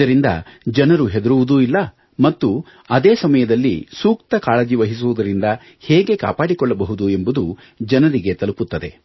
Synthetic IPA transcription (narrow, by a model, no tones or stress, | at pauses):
ɐɾind̪ɐ̰d͡ʒɐnɐɾuɦe̞d̪ɐɾuʋud̪uilːɐ | mɐt̪ːu | ɐd̪eːsɐmɐjɐd̪ɐlːḭsuːkt̪ɐkaːɭɐd͡ʒiʋɐɦis̬uʋud̪ɐɾind̪ɐ | hɛːɡe̞ka̰ːpaːɽikɔɭːɐbɐɦud̪ue̞mbud̪u | d͡ʒɐnɐɾiɡe̞t̪ɐluput̪ːɐd̪e̞